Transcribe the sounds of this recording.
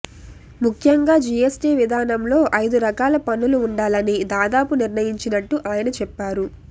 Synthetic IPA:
mukʰjɐŋɡaːd͡ʒiesʈiːʋid̪ʱaːnɐmlo̞ːʔɐjd̪uɾɐkaːlɐpɐnːuluːɳɖaːlɐnid̪aːd̪aːpuniɾnɐjiɲt͡ʃinɐʈːuʔaːjɐnɐt͡ʃɛpːaːɾu

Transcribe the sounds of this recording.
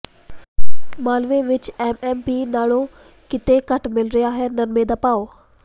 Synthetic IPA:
maːlʋeʋɪt͡ʃeːmɛːmpiːnaːɽo | kɪt̪ekɐʈmɪlɾijaːɦenɐnmẽd̪ɐpaːoː

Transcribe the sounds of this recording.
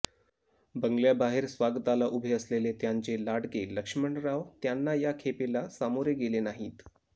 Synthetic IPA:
bəŋɡljabaɦeɾsʋaɡt̪alaʔubʱeəslelet̪jaɲt͡ɕelaɽɡeləkʂməɳɖɾaʋt̪janːajakʰepelasamoɾjeɡelenaɦiːt̪

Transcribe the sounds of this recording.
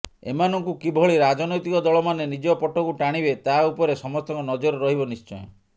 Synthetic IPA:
ḛmanɔŋkukibʱɔɭiɾad͡ʒɔnɔjt̪ikɔd̪ɔɭɔmanenid͡ʒɔpɔʈɔkuʈaɽ̃ibet̪aupɔɾesɔmɔst̪ɔŋkɔnɔd͡ʒɔɾɔɾɔɦibɔnist͡ʃɔj

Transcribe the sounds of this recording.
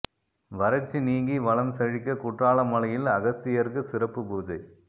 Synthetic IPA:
ʋɐɾɐt͡ʃːiniːŋɡiʋɐlɐmsɐɻɪkːɐkʊʈraːlɐmɐɭɐjɪlɐɣɐst̪ɪjɐɾkɯsɪɾɐpːɯbuːd͡ʒɐɪ

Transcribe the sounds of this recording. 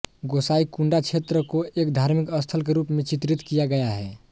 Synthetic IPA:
ɡosaikuɳɖat͡ʃʰet̪ɾəkoekd̪ʱaɾmikəst̪ʰəlkeɾupmẽt͡ʃit̪ɾit̪kijaɡəjaɦɛ

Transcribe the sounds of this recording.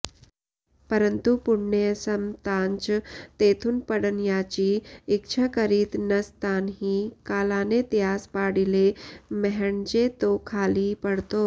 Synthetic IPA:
pəɾənt̪upuɽɳesəmt̪aɲt͡ʃt̪et̪ʰuːnpəɽənjat͡ɕiːk̚t͡ɕʰakəɾiːt̪nɐst̪anɦiːkalanet̪jaːspaɽilemɛɦəɳd͡ʑet̪okʰaliːpəɽt̪o

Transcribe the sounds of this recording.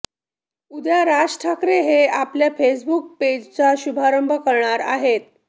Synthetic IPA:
ud̪jaɾasʈʰakɾeɦeapljafesbuk̚ped͡ʑt͡saɕubʱaɾəmbʱəkəɾɳaɾa̰ɦet̪̚

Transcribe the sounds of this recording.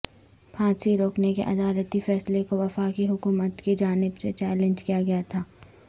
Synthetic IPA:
pʰãːt͡ʃiɾoːknekḛʔɐd̪aːlət̪ifɛːslekoʋɐfaːkiɦʊkuːmət̪kid͡ʒaːnɪbset͡ʃɛːlẽɲd͡ʒkijaɡɐjat̪ʰaː

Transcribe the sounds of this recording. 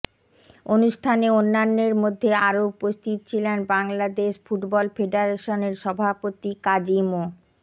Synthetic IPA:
onuʃʈʰaneonːanːeɾmod̪ʱːeaɾoupost̪ʰit̪ot͡ɕʰilenbaŋlad̪eʃfuʈbɔlfeɖaɾeʃoneɾʃɔbʱapot̪ikad͡ʑimo

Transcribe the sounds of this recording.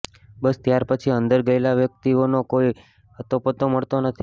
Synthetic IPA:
bəst̪jaɾpət͡ʃʰiənd̪əɾɡəelaʋjək̚t̪ionokoi | ət̪opət̪oməɭt̪onət̪ʰi̥

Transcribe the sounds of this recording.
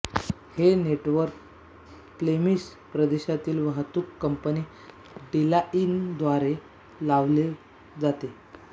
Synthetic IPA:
heneʈʋəɾk | plemis | pɾəd̪eɕat̪iːlʋəɦət̪ːuːkːəmpəniː | ɖilaʔind̪ʋaɾe | laʋle | d͡zat̪e

